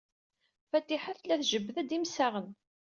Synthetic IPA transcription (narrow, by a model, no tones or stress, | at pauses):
fæt̪ːiħæθlæθʒəbːðæd̪imsæʁən